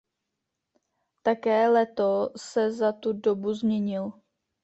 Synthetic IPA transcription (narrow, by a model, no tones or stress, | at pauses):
t̪akɛːlɛt̪osɛzat̪udobuzmɲɛɲɪl